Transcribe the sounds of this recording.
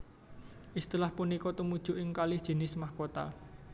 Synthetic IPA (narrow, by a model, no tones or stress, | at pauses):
ʔist̪ilahpunikɔt̪umud̥ʒ̥ṳʔɪŋkalɪhʒ̥i̤nɪsmahkot̪a̰